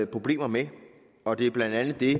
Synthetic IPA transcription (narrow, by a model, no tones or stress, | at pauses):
pʰʁo̝b̥le̝̰ːmɐme | ɒ̽d̥e̝ɐb̥lænd̥ænð̩ˠd̥e̝